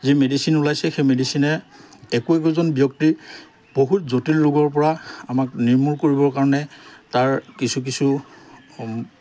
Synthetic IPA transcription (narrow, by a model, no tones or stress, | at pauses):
zimedisinulajsɛxemedisinɛɛkuɛk̬uzɔnbijɔk̚ti | b̥oɦutzotilːuɡɔɹpɔɹaamakniɹmuɹkoɹibɔɹkaɹɔnɛtaɹkisuk̬isu